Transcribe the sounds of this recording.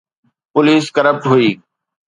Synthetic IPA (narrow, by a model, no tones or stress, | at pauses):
pʊliːskəɾəp̚ʈɦuiː